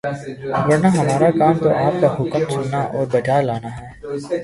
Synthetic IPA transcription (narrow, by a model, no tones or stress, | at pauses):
ɡɐɾnaɦɐmaːɾakaːmt̪oʔaːp̚kaɦʊkəmsʊnːaʔɔːɾbɐt͡ʃaːlaːnaɦɛː